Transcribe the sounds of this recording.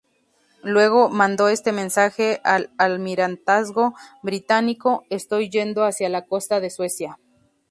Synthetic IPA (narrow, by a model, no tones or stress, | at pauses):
lwe̞ɣ̞o̞mãnd̪o̞e̞st̪e̞mẽ̞nsaxe̞alalmiɾant̪azɣo̞βɾit̪aniko̞est̪o̞jːe̞nd̪o̞asjalako̞st̪aðe̞swe̞sja